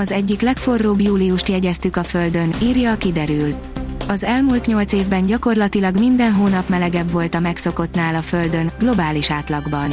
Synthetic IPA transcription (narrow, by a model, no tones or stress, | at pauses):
ɒzɛɟːiklɛkfo̞rːoːbjuːlijuʃt̪jɛɟɛst̪ykɒfø̞ld̪ø̞niːrjɒkid̪ɛɾyl | ɒzɛlmuːlt̪ɲo̞lt̪seːvbɛɲɟɒko̞rlɒt̪ilɒɡmind̪ɛnɦoːnɒpmɛlɛɡɛbvo̞lt̪ɒmɛkso̞ko̞t̪naːlɒføld̪ø̞nɡlo̞baːliʃaːt̪lɒɡbɒn